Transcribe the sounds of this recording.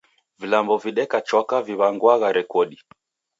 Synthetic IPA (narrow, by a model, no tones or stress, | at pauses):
vilambɔviɗɛkat͡ʃɔkaviβaŋɡwaɣaɾɛkɔɗi